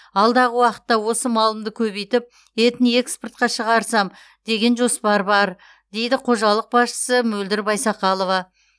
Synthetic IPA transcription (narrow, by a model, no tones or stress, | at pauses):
ɑlˠd̪ɑʁəwɑqə̥t̪ːɑwo̞səmɑlˠəmd̪əkʲʰɵβejt̪ɪp̚ | e̞t̪ɪne̞ksport̪̚qɑʃəʁɑɾsɑm | d̪̥e̞ɡʲe̞nʒo̞spɑɾbɑɾ | d̪e̞jd̪ɪqʰo̞ʒɑlˠəq̚bɑsʃə̥səmɵld̪ɪɾbɑjsɑqɑlˠo̞vɑ